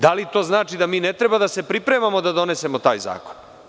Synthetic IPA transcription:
d̪alit̪o̞ːznaːt͡ʃid̪amiːnet̪ɾebad̪ase̞pɾipɾemamo̞d̪ad̪o̞ne̞se̞mo̞t̪a̰ːjza̰ːko̥n

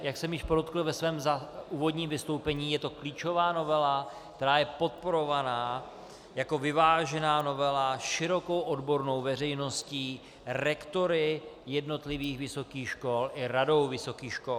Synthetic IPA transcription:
jaksɛmjɪʃpoɾot̪kl̩vɛsvɛːmzauːvo̞d̪ɲiːmvɪst̪o̞wpɛɲiːjɛt̪o̞kliːt͡ʃo̞vaːno̞vɛlakt̪ɛɾaːjɛpo̞t̪̚po̞ɾo̞vanaː | jako̞vɪvaːʒɛnaːno̞vɛlaʃɪɾo̞ko̞wʔodbo̞ɾno̞wvɛr̝ɛjno̞sciː | ɾɛkt̪o̞ɾɪjɛdno̞t̪lɪviːxvɪso̞kiːxʃko̞lʔɪɾado̞wvɪso̞kiːxʃkol

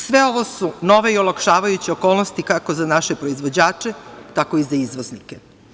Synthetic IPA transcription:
sʋeo̞ʋo̞suno̞ʋe̞iolˠakʃaːʋajut͡ɕeoko̞ːlˠnost̪ikako̞zanaʃe̞pɾo̞izʋo̞d͡ʑaːt͡ʂet̪ako̞izaizʋoznike

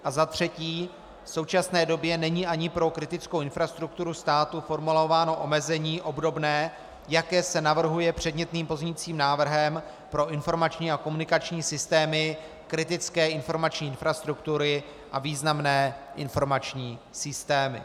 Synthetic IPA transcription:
ʔazat̪r̝̥ɛciː | fso̞wt͡ʃasnɛːdo̞bjɛnɛɲiːʔaɲɪpɾo̞kɾɪt̪ɪt͡skowʔɪnfɾast̪ɾuk̚t̪uɾust̪aːt̪ufo̞ɾmulo̞vaːno̞ʔo̞mɛzɛɲiːʔo̞bdo̞bnɛː | jakɛːsɛnavr̩ɦujɛpr̝̥ɛdɲɛt̪niːmpo̞zɲɛɲiːt͡siːmnaːvr̩ɦɛm | pɾo̞ʔɪnfo̞ɾmat͡ʃɲiːako̞munɪkat͡ʃɲiːsɪst̪ɛːmɪ | kɾɪt̪ɪt͡skɛːɪnfo̞ɾmat͡ʃɲiːɪnfɾast̪ɾukt̪uɾɪ | ʔaviːznamnɛːʔɪnfo̞ɾmat͡ʃɲiːsɪst̪ɛːmɪ̰

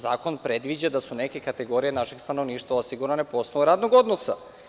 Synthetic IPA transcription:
zaːko̞npɾe̞d̪ʋid͡ʑad̪asune̞ke̞kat̪e̞ɡo̞ɾije̞naʃe̞ɡst̪ano̞ʋniːʃt̪ʋaosiɡuɾanepo̞snouɾaːd̪noɡo̞d̪nosa̰

